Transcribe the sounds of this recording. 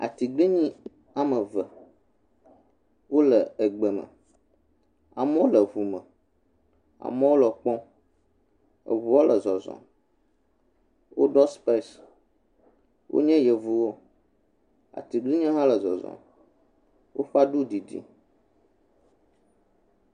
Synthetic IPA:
a̰˨t̪i˨ɡli˦ɲĩ˦ | a˨mə˨və˨ | wo˦lə˨ə˨ɡ͡bə˨mə̰̃˨ | a̰˨mɛ˦wo˦lə˨vu˨mə̃˨ | a̰˨mɛ˦wo˦lə˨k͡pɔ̃˦ | ə̰˨vu˨wo˦lʔə˨zɔ˨zɔ̰̃˨ | wo̰˦ɖɔ˦spe˦˨s | wʔo̰˦ɲɛ̃˦jɛ˨vu˨wo˦ | a̰˨t̪i˨ɡli˦ɲɛ̃˦ɦã˦lə˨zɔ̰˨zɔ̰̃˨ | wʔo̰˦ɸa˦ɖu˦di˨dḭ˦

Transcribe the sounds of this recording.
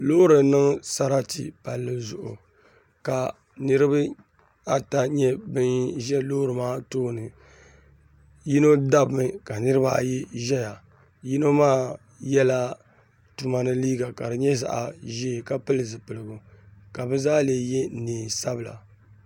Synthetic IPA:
lo˦ɾɨ˨nɨ˦ŋsa˨ɾa˦tḭ˨pa˨lːɨ˦zʊ˨ʔʊ̰˨ | ka˨ | nɨ˦ɾɨ˦ba˦ | a˨ta˦ɲɛ˦bɨ˦nʒɛ˦loː˦ɾɨ˨maː˦toː˦nɨ˨ | ji˦no˦da˦bɨ˨mɨ˨ka˨nɨ˦ɾɨ˦ba˨a̰˨ji˦ʒɛ˦ja˨ | ji˦no˦maː˦ | jɛ˦la˦ | tu˨ma˨nɨ˦liː˦ɡa˨ka˨ɾɨ˨ɲɛ˦za̰˨ʔa̰˨ʒe˦˨ka˦pɨ˦lɨ˨zɨ˨pɨ˨lɨ˨ɡʊ˨ka˨bɨ˦zaː˦leː˨jɛ˦neː˨sa˦bɨ˨la̰˨

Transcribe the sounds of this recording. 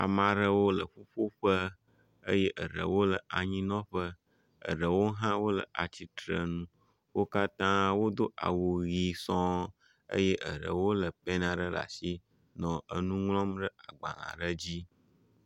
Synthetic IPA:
a̰˨mã˨ɖə˦wo˦lə˨ɸo˦ɸo˦ɸə˦ | ə˦je˦ʔə˨ɖə̰˨wo˦lə˨ʔa˨ɲĩ˦nɔ̃˦ɸə˦ | ə̰˨ɖə˨wo˦ɦã˦wo˦lə̰˨ʔa˨t͡ɕi˨t̪ɾə˨nũ˦ | wo˦ka˦t̪ã˦wo˦d̪o˦ʔa̰˨wu˨ɣi˦sɔ̃˦ | ə̰˦je˦ʔə˨ɖə̰˨wo˦lə˨pɛ˦nã˨ɖə˦la̰˨si˦ | nɔ̃˨ə˨nũ˦ŋlɔ̃˦mɖə˦a˨ɡ͡ba̰˨lã̰˨ɖə˦d͡ʑi˦

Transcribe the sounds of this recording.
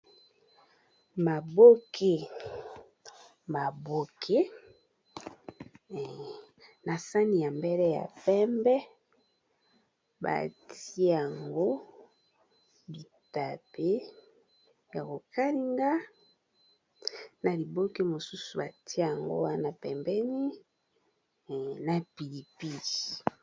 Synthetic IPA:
ma˨bo˦kʰe˦ | ma˨bo˦kʰe˦˨ | na˨sa˦ni˨ja˨mbe˦lɛ˦ja̰˨pɛ˦mbɛ˦ | ba̰˨ti˦e˦a˨ŋɡo˦ | bi˨ | ta˨pe˦ | ja˨ko˨ka˦li˦ŋɡa˦ | na˨li˨bo˦ke˦mo˨su˦su˨ba˨tʰi˦e˦˨a˨ŋɡo̰˦wa˦na˨pɛ˨mbɛ˦ni˦˨ | na˨pi˨li˨pi˦di˨

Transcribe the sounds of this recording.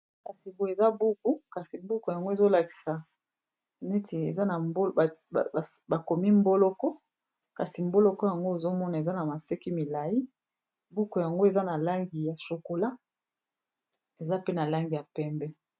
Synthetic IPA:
ka˨si˨bo˨e˨za˦bu˦ku˦ka˨si˨bu˦ku˨ja˨ŋɡo˦e˨zo˦la˨ki̥˨sa˨ | ne˦tʰi˨ḛ˨za˦na˨mbo˦˨ | ba˨ko˨mi˦mbo˦lɔ˦kɔ˦ | ka˨si˨mbo˦lɔ˦kɔ˦ja˨ŋɡo˦e˨zo˦mɔ˦na˨e˨za˦na˨ma˨se˦ki˦mi˨la˨ji˦ | bu˦ku˨ja˨ŋɡo˦e˨za˦na˨la˦ŋɡi˨ja˨so˨ko˨la˦ | e˨za˦pe˦na˨la˦ŋɡi˨ja˨pɛ˦mbɛ˦

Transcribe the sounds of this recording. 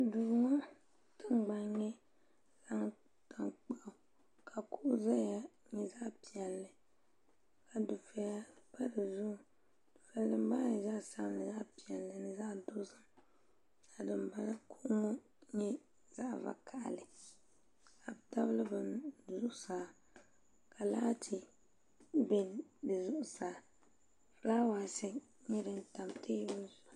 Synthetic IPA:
dʊ˨ɡŋɔ˦ | tɨ˦m˦ɡ͡ba˨ɲɛ˦ | la˦ŋ˦ | tʰa˨ŋk͡pa˦ʔʊ˨ | ka˨ku˦ʔʊ˦za˦a˨ | ɲɛ˨za˦ʔpi˨ɛ˨lːɨ˨ | ka˨du˨fɛ˨ja˦pa˦dɨ˨zʊ˦˨ | d̥ʊ˨fɛ˨˦dɨ˦m˦ba˦˨za˦ʔsa˦bnɨ˨za˦ʔpi˨ɛ˨lːɨ˨nɨ˨za˦ʔdo˦sɨ˦m | a˨dɨ˨mba˦na˦kʰu˦ʔʊ˦mo˦ | ɲɛ˦ | z̥a˦ʔva̰˨kʰa˨ʔa̰˨lɨ˨ | ka˨bta˦bɨ˦lɨ˦bɨ˨nzʊ˦ʔʊ˦saː˨ | kʰa˨laː˦tʰi˦ | bɛ˦dɨ˨zʊ˦ʔʊ˨saː˨ | laː˦waː˨sɪ˦ | ɲɛ˦dɨ˨n˦ta˨mtʰeː˦bɨ˦n˦zʊ˨

